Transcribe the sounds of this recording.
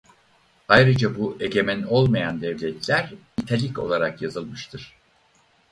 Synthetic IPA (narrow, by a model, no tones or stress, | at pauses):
ajɾɯd͡ʒabuʔe̞ɟe̞mæno̞lˠmajand̪ɛvlʲɛt̪ʰlʲæɾ | it̪ʰelʲico̞̰lˠaɾakjazɯlˠmɯʃt̪ʰɯɾ̥